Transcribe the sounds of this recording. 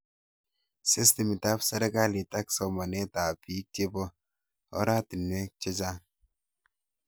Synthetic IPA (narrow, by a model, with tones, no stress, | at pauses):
sɪ˦sti˨mi˨ta˦psɛ˦ɾɛ˦ka˦li˨ta˦ksɔ˨ma˨ne˦ta˨pi˨˦k̚te˦bɔ˦ | ɔ̰˦ɾa˦ti˨nwe˦t͡ʃe˦d͡ʒa˦